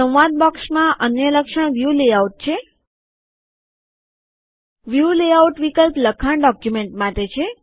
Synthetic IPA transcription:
sə̃wʋad̪̚bɔksmãʔənjələkʂəɽ̃ʋjuleauʈ̚t͡ʃʰe | ʋjuleauʈʋikəlpləkʰaɳɖɔkjumeɳʈmãt̪et͡ʃʰe

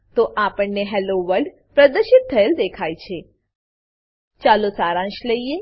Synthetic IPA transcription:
t̪oʔapəɳneɦɛloʋəɾɖ | pɾəd̪əɾʃɪt̪̚t̪ʰːəeld̪ekʰajt͡ʃʰe | t͡ʃalosaɾãʃləie

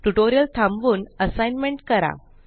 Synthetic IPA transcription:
ʈuʈoɾjəlt̪ʰãmʋuːnəsajnmẽɳʈkəɾa̰

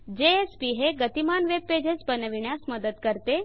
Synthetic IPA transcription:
d͡ʑeespiɦeɡət̪imanʋeb̚ped͡ʑesbənəʋiɳjasməd̪ət̪kəɾt̪e

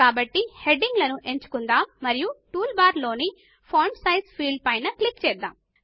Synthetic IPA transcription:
aːbɐʈːihe̞ɖiŋɡlɐnuʔe̞ɲt͡ʃu̥kund̪aːmːɐɾijuʈuːlbaːɾlo̞ːni | pʰoːɾmsɐjspʰiːɭɖ̚pɐjnɐklikt͡ʃɛːd̪ːa̰ːm

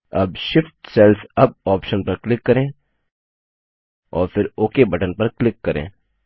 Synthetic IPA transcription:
ɐ̰bʃɪfʈsɛlfɐb̚ɔːpʃənpɐɾklɪkːɐɾẽː | ɔːɾfʰɪɾoːkebɐʈənpɐɾklɪkːɐɾḛ̃ː

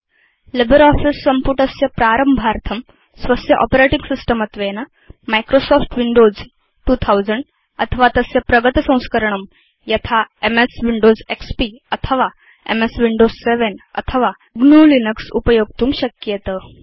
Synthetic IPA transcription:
lebəɾɔfisːəmpuʈəsjəpɾaɾəmbʱaɾt̪ʰəm | sʋəsjəʔɔ̰peɾeʈiŋɡsisʈəmət̪ʋenə | majkɾosɔfʈʋiɳɖod͡z | ʈuːt̪ʰawd͡zəɳɖ | ət̪ʰəʋat̪əsjəpɾəɡət̪sə̃w̃skəɾɳ̃əm | jɐt̪ʰaemesʋiɳɖod͡zekspiət̪ʰəʋa | ḛmesʋiɳɖod͡zseʋenə̰t̪ʰəʋa | ɡnuːlinəksṵpəjoɡ̚t̪uːmɕəkjet̪ə

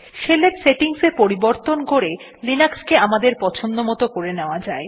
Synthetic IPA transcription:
ʃelepseʈiŋsepoɾiboɾt̪onkoɾe | linakskeamad̪eɾpɔt͡ɕʰond̪omɔt̪okoɾeneoad͡ʑae

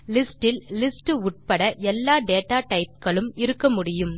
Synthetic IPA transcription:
lɪsʈɪllɪsʈɯʊʈ̚pɐɽɐʔɛlːaːɖeːʈaːʈɐɪp̚kɐɭɯmɪɾɯkːɐmʊɽɪjɯm

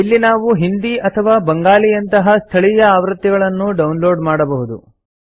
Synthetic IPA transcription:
ilːinaːʋuɦind̪iʔɐt̪ʰɐʋaːbɐŋɡaːlijɐnt̪ɐɦɐst̪ʰɐɭijɐaːʋɾɨt̪ːjɛɡɐɭɐnːuɖɐwnlo̞ːɖmaːɽɐbɐɦud̪ṵ

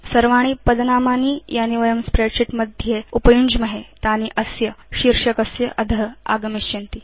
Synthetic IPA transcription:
sɐɾʋaɽ̃ipəd̪namanijaniʋəjɐmspɾeɖɕiʈməd̪ʱjeupəjund͡ʑməɦet̪aniʔəsjəɕiɾʂɐkəsjəʔɐd̪ʱəɦa̰ɡəmiɕt͡ɕint̪i

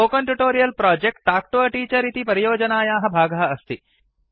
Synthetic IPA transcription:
oːkɐɳʈuʈoːɾijɐlpɾaːd͡ʒek̚ʈ̚ʈaːk̚ʈoɐʈiːt͡ʃɐɾit̪ipɐɾijoːd͡ʒɐnaːjaːɦɐ̆bʱaːɡɐɐɐst̪i

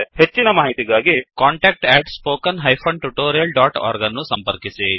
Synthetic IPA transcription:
het͡ʃːinɐmaːɦit̪iɡaːɡikaːɳʈeːk̚ʈɛːʈspoːkɐnɦɐjpʰɐɳʈuʈoːɾijɐlɖaːʈa̰ːɾɡɐnːusɐmpɐɾkisi

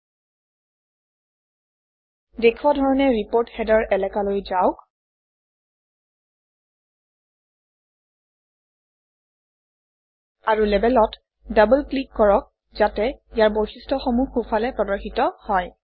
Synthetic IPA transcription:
dekʰwadʱɔɹɔnɛɹipoɹtxɛdɔɹʔɛlɛkalojzaʊk | aɹulɛbɛlɔt | dabulklikːɔɹɔk̚ | zatɛijaɹboxistʰɔxɔmuxufʰalɛpɹɔdɔxitɔhɔj

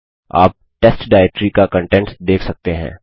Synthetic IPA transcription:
a̰ːp̚ʈɛsʈɖaːɛk̚ʈɾikakə̃ɳʈɛ̃ɳʈd̪eːkʰsɐk̚t̪eɦɛ̰̃ː

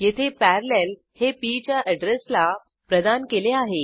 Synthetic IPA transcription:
jet̪ʰepæɾlel | hepit͡ɕjaʔəɖɾesla | pɾəd̪ankeleaɦe

